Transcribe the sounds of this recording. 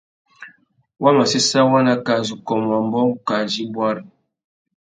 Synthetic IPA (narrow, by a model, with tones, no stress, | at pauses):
wa˦ma˨si˦sa˦wa˦na˦ka˨zu˨kɔ˨mwa˨m˦bɔ˦ŋ̩˦ka˨d͡ʒi˦bwa˦ɾ